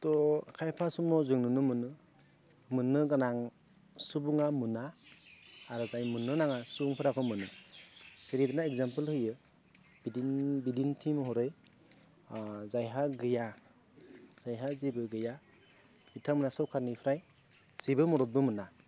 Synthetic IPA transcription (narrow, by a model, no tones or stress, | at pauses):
tɔkʰajpʰasumɔzɯŋnɯnɯmɯnɯ | mɯnːɯɡanaŋ | subuŋamɯnaː | ɾɯzajmɯnːɯnaŋasubuŋpʰɯɾakʰɔmɯnɯ | seɾidanaekzampɯlhɯjɯ | bidinbidintʰimɔɦɔɾɯj | zajɦaɡɯja | z̥ajɦazibɯɡɯja | bitʰamɯnasɔwkʰaɾnipʰɾaj | z̥ibɯmɔɾɔt̚bɯmɯna